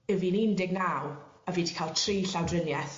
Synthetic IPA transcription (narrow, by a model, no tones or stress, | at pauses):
əvinindɪɡnawaviːdi̥kʰalˠtʰriːɬawdrɪnjɛθ